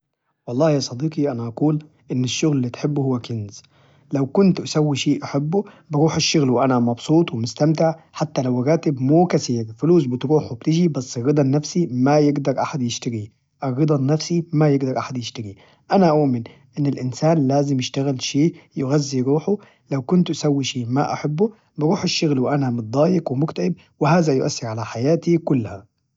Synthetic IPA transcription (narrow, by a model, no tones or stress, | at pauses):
wɑlˤːɑːhjɑːsˤɑd̪iːqiʔanaʔɑquːl | ʔɪnːɪʃːʊɣlɪlːiːt̪ħɪbːhʊwːakɪnz | lawkʊnt̪ʔasawːiʃeːʔaħabːʊ | bɪɾuːħɪʃːʊɣlwʔanamɑbsˤuːt̪ˤwɪmʊst̪amt̪ɪʕħat̪ːalawɾaːt̪ɪbmuːkasiːɾfʊluːsbɪt̪ɾuːħwbt̪ɪd͡ʒibasːɪrːɨd̪ˤɑnːafsimajɪɡd̪ɑɾˤʔaħad̪jɪʃt̪aɾi | ʔɪrːɨd̪ˤɑnːafsimajɪɡ̪ɑɾʔaħad̪jɪʃt̪aɾi | ʔanaʔaʊʔmɪnʔɪnːɪlʔɪnsaːnlaːzɪmjɪʃt̪aɣɪlʃeːʔjʊɣazːiɾuːħʊ | lawkʊnt̪ʔasawːiʃiːma̰ʔa̰ħabːʊ | bɪɾuːħɪʃːʊɣlwʔanamɪt̪̚d̪ˤɑːjɪkwɪmʊkt̪aʔɪb̚ | wɪhaːðajʊʔa̰sːɪɾʕalaħajaːt̪ikʊlːha